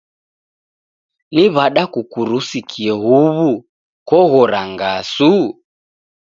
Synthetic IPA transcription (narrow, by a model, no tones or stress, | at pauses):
niβaɗakukuɾusikʰiɛɦuβu | kɔɣɔɾaŋɡasu